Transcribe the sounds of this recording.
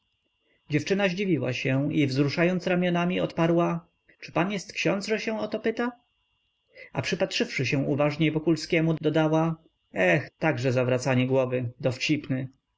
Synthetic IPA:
d͡ʑɛft͡ʂɘnaʑd͡ʑivʲiwa̰ɕɛ̃ivzɾuʂajɔnt̪sɾamʲjɔnamʲiɔt̪paɾwa | t͡ʂɘ̥panjɛst̪kɕɔ̃nd̪zʐɛɕɛ̃ɔt̪ɔpɘt̪a | a̰pʂɘpatʂɘfʂɘɕɛw̃uvaʐɲejvɔkulskʲɛmud̪ɔd̪awa | ɛxt̪aɡʐɛzavɾat̪saɲɛɡwɔvɘd̪ɔft͡ɕipnɘ

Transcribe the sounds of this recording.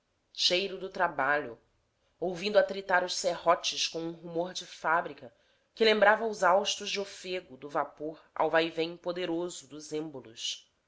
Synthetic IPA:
ʃejɾʊd̪ʊt̪ɾabaʎʊ̰ | owvĩnd̪ʊat̪ɾit̪aɾʊʃsehɔt͡ʃɪskõw̃ũɦumoɾd͡ʒɪfabɾikɐ | kɪlẽmbɾavɐʊzawʃt̪ʊzd͡ʒɪofeɡʊd̪ʊvapoɾa̰wvajvẽj̃pod̪eɾozʊd̪ʊzẽmbolʊ̰s

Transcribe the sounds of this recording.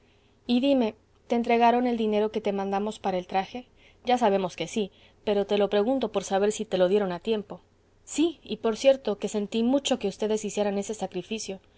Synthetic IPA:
iðime̞ | t̪eːnt̪ɾe̞ɣaɾo̞ne̞ld̪ine̞ɾo̞ke̞t̪e̞mãnd̪amo̞spaɾaelt̪ɾaxe̞ | ɟ͡ʝas̬aβ̞e̞mo̞ske̞si | pe̞ɾo̞t̪e̞lo̞pɾe̞ɣunt̪o̞po̞ɾsaβ̞e̞ɾsit̪e̞lo̞ðje̞ɾo̞nat̪je̞mpo̞ | siipo̞ɾsje̞ɾt̪o̞ke̞se̞nt̪imut͡ʃo̞ke̞ust̪e̞ðe̞sisje̞ɾane̞se̞sakɾifisjo̞

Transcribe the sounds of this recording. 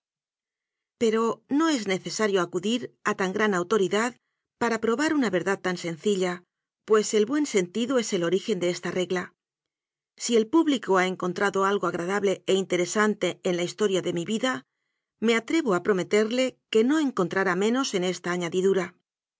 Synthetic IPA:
pe̞ɾo̞no̞e̞zne̞θe̞saɾjo̞akuðiɾat̪aŋɡɾanawt̪o̞ɾiðað | paɾapɾo̞βaɾunaβe̞ɾðað̚t̪anse̞nθiʎa | pwe̞se̞lβwe̞nse̞nt̪iðoe̞se̞lo̞ɾixe̞nd̪e̞est̪are̞ɣla | sie̞lpuβlikoae̞ŋko̞nt̪ɾaðo̞alɣoaɣɾað̞aβle̞eint̪e̞ɾe̞sant̪e̞ːnlaist̪o̞ɾjaðe̞miβiða | me̞at̪ɾe̞βoapɾo̞me̞t̪e̞ɾle̞ke̞no̞e̞ŋko̞nt̪ɾaɾamẽ̞no̞se̞ne̞st̪aːɲaðiðuɾa

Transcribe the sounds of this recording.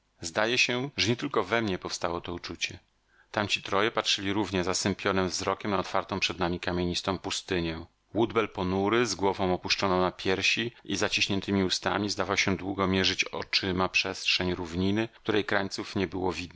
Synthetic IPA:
zd̪ajɛɕɛʐɛɲɛt̪ɘlkɔvɛmɲɛpɔfst̪awɔt̪ɔut͡ʂut͡ɕɛ | t̪amt͡ɕi̥t̪ɾɔjɛpatʂɘlʲiɾuvɲɛzasɛmpʲjɔnɛmvzɾɔkʲɛmnaɔt̪faɾt̪ɔ̃w̃pʂɛd̪namʲikamʲjeɲist̪ɔ̃w̃pust̪ɘɲɛ | wud̪bɛlpɔnuɾɘzɡwɔvɔ̃w̃ɔpuʂt͡ʂɔnɔ̃w̃napʲjɛɾɕiʔizat͡ɕiɕɲɛnt̪ɘmʲiust̪a̰mʲizd̪avawɕɛd̪wuɡɔmʲjɛʐɘt͡ɕɔ̰t͡ʂɘmapʂɛstʂɛɲɾuvɲinɘk̚t̪uɾɛjkɾaɲt̪sufɲɛbɘwɔvʲid̪nɛ

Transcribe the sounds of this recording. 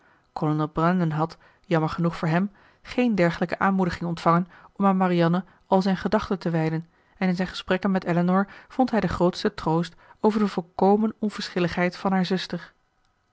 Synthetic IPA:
kɔlənɛlˠbrɑndənɦɑt | jɑməɹχənuχfʊːɹɦɛm | χejndɛɹχələkəʔaːnmudəχɪŋɔntfɑŋənɔmaːnmariɑnə | ɑlˠzɛjnχədɑχtəntəʋɛjdən | ɛnɪnzɛjnχə̥sprɛkənmɛtɛlənɔɹv̥ɔntɦɛjdəχrowtstətrowstowvəɹdəvɔlˠkowmənɔnv̥əɹsχɪləχɦɛjtfɑnɦaːɹzɵstəɹ

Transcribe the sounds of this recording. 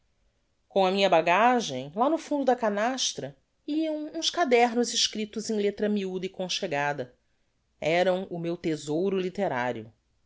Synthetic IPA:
kõɐmĩɲɐbaɡaʒẽj̃lanʊfũnd̪ʊd̪ɐkanaʃt̪ɾɐ | iɐ̃w̃ũʃkad̪ɛɾnʊzɪʃkɾit̪ʊzẽj̃let̪ɾɐmiud̪ɐikõʃeɡad̪ɐ | ɛɾɐ̃w̃ʊmewt̪ezowɾʊlit̪eɾa̰ɾjʊ

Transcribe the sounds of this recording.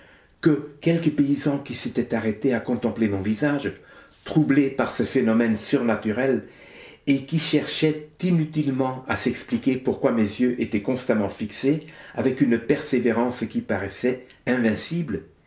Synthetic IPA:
kəkʲɛlkəpeizɑ̃kʲiset̪ɛt̪aʁet̪eakɔ̃t̪ɑ̃plemɔ̃vizaʒ | t̪χublepaʁsəfenɔmɛnsyʁnat̪yʁɛl | ekʲiʃɛʁʃɛt̪inyt̪ilmɑ̃asɛksplikʲepuʁkwamezjøʔet̪ɛkɔ̃st̪amɑ̃fikseavɛkynpɛʁseveʁɑ̃skʲipaʁɛsɛ | ɛ̃vɛ̃sibl

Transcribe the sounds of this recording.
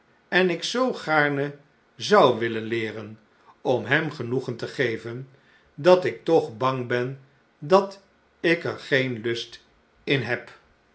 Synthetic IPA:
ɛnɪksowχaːɹnə | zɑwʋɪlənlɪːɾən | ɔmɦɛmχənuχəntəχejvən | dɑtɪk̚tɔχbɑŋbɛn | dɑt | ɪkəɹχejnlɵst | ɪnɦɛp

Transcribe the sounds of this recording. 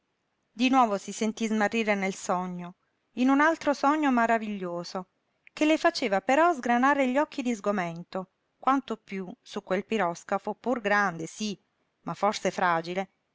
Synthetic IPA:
d̪inwɔːvosisent̪izmarːiːɾenelsɔɲːo | inunalt̪ɾosɔɲːomaɾaviʎːoːzo | kelːefat͡ʃeːvapeɾɔzɡɾanaːɾeʎːɔkʰːid̪izɡoment̪o | kwant̪opjusukːwelpiɾɔskafopurɡɾand̪esi | mafːɔrsefɾaːd͡ʒile

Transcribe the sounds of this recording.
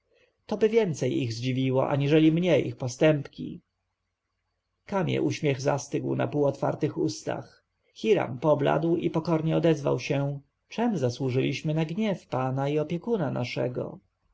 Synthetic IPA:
t̪ɔbɘvʲjɛnt̪sɛjiɣzd͡ʑivʲiwɔ̰ʔa̰ɲiʐɛlʲimɲɛjixpɔst̪ɛmpkʲḭ | kamʲjɛ̰ʔuɕmʲjɛɣza̰st̪ɘɡwna̰puːɔt̪fa̰ɾt̪ɘxust̪a̰x | xʲiɾa̰mpɔbla̰d̪wḭpɔkɔɾɲɛɔd̪ɛzva̰wɕɛ | t͡ʂɛmzaswuʐɘlʲiɕmɘnaɡɲɛfpanaiɔpʲjɛkunanaʂɛ̰ɡɔ̰

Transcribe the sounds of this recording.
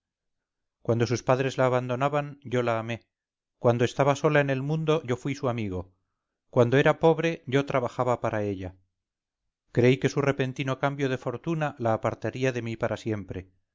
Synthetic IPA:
kwand̪o̞s̬uspaðɾe̞zlaːβand̪onaβanɟ͡ʝo̞laːme̞ | kwand̪oe̞st̪aβaso̞lae̞ne̞lmũnd̪o̞ʝo̞fwisuamiɣ̞o̞ | kwand̪o̞e̞ɾapo̞βɾe̞ʝo̞t̪ɾaβaxaβapaɾʔae̞ʎa | kɾe̞ike̞sure̞pe̞nt̪ino̞kambjo̞ð̞e̞fo̞ɾt̪unalaːpaɾt̪aɾiaðe̞mipaɾasje̞mpɾe̞

